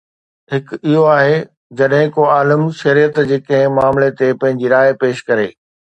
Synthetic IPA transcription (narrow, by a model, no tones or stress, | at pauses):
ɦɪkɪɦoaːɦe | d͡ʑɐɗɦɪ̃koaːləmʃɐɾijət̪d͡ʑeːkɐ̃ɦɪ̃maːmlet̪epɐ̃ɦɪ̃ɲd͡ʑiɾaːɪpeːʃkɐɾḛː